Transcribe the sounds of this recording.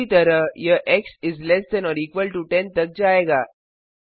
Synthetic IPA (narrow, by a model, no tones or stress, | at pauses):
it̪əɾəjəʔeksid͡zlesd̪ɛnɔɾikʋəlʈuʈẽnt̪ək̚d͡ʑaeɡa